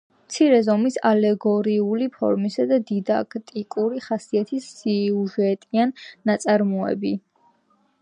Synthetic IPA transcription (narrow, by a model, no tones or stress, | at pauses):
mt̪sʰiɾɛzɔmisalɛɡɔɾiulipʰɔ̰ɾmisad̪ad̪id̪akʰt̪ʼikʼuɾiχasiat̪ʰisiuʒɛt̪ʼianːat̪sʼaɾmɔɛ̰bi